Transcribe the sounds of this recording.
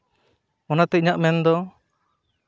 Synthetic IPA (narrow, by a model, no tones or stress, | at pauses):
ɔnat̪ɛiɲaʔmɛnd̪ɔ